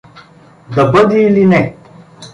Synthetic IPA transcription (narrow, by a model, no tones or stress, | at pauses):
d̪ɐbɤd̪ʲiːlinɛ